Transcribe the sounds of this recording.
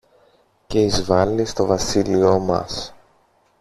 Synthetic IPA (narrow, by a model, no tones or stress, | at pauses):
ce̞izvɐlist̪o̞vɐsilio̞mɐ̰s